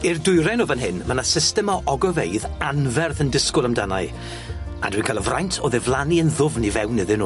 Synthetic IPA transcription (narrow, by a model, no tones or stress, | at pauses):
irdʊɨɾɛnovənɦɪnmənasɪstɛmɔʔɔɡɔvejðanvɛrθəndɪskʊlˠəmdana̰ɨ | a̰dwiːnkʰalˠɔvrajntʰɔðɛvlˠaniənðʊvnivɛwnːɪðɪnuː